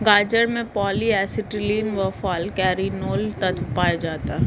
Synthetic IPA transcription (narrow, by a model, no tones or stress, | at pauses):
ɡaːd͡ʒəɾmẽpɔːliɛːsɪʈiliːnʋəfɔːlkɛːɾinoːlt̪ɐt̪ʰpaːjad͡ʒaːt̪aɦ